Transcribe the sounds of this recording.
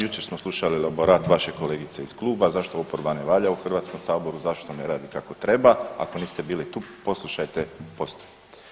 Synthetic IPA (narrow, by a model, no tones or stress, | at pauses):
jut͡ʃe̞ɾsmoslˠuʃalilaboɾaːt̪ʋaʃe̞ko̞leːɡit̪se̞iz̥klˠuːbazaʃt̪o̞opoɾbaneʋaːʎauxr̩ʋaːt̪sko̞msaːbo̞ɾuzaʃt̪oneɾaːd̪ikako̞t̪ɾe̞baa̰ko̞niːst̪e̞biːlit̪uːpo̞slˠuʃajt̪e̞po̞st̪o̥pi̥t̪